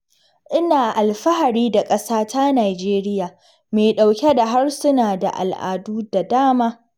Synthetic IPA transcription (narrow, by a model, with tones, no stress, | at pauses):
ʔɪ˦naː˨ʔa˨lɸɐ˦ɦa˨ɾiː˦da˨kʼɐ˦saː˦ta˦naː˨d͡ʒeː˦ɾɪ˦jaː˨ | meː˨ɗa˨wkʲe˦da˨ɦa˦rsʊ˦naː˨da̰˨ʔa̰˨lʔa̰ː˨duː˦da˨daː˦maː˦